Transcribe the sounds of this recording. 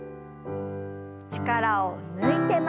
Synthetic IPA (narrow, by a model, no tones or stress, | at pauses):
t͡ɕi̥kaɾaonɯit̪e̞m